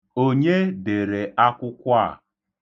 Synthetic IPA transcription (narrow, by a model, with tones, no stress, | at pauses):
o˦ɲe˦de˨ɾe˨ʔa˦kʷʊ˦kʷa˦˨